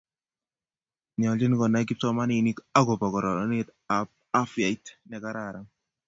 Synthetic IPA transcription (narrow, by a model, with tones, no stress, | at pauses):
ni˨ɔ˨ld͡ʒɪ˦n˦kɔ˨na˦ɡi˦p̚tɔ˦ma˦ni˨ni˦ka˦ɡɔ˨pa˨ɡɔ˨ɾɔ˨ɔ˦net̪a˨p̚ | a˦fja˨itnɛ˨ka˦ɾa˨ɾa˦ŋ